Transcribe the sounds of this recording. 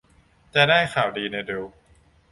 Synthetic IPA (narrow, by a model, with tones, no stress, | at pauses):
t͡ɕa˨˩daː˥˩jkʰaː˨˩wdiː˧na˧jde˧w